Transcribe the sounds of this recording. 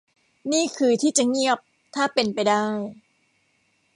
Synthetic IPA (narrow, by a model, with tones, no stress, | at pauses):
niː˥˩kʰɯː˧t̪ʰiː˥˩t͡ɕa˨˩ŋi˥˩əp̚ | t̪ʰaː˥˩pe˧npa˧jdaː˥˩j